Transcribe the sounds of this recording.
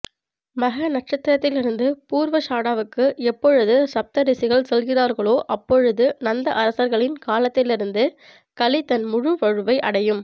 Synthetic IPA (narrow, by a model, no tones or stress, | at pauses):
mɐɣɐnɐʈ̚t͡ʃɐt̪ːɐɾɐt̪ːɪlɪɾɯnd̪ɯpuːɾʋɐʂaːɽaːʋɯkːɯɛpːɔɻɯðɯsɐp̚t̪ɐɾɪsɪɣɐɭsɛlɣɪraːɾɣɐɭoːʔɐpːɔɻɯðɯnɐnd̪ɐʔɐɾɐsɐɾɣɐɭɪnkaːlɐt̪ːɪlɪɾɯnd̪ɯ | kɐlɪt̪ɐnmʊɻʊʋɐɻɯʋɐɪʔɐɽɐjɯm